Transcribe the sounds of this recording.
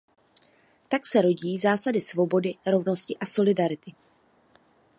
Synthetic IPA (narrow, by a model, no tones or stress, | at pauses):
t̪aksɛɾo̞ɟiːzaːsadɪsvo̞bo̞dɪɾo̞vno̞scɪʔaso̞lɪdaɾɪt̪ɪ